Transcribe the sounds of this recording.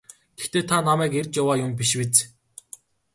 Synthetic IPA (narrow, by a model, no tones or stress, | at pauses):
ɡ̥ext̪eːt̪ʰanamæːkerʲt͡ɕjawaːjʊmpʲiʃwet͡s